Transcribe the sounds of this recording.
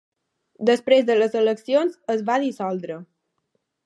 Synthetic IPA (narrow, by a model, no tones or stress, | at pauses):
d̪əspɾezðələzələksionzəzβaðisɔlˠd̪ɾə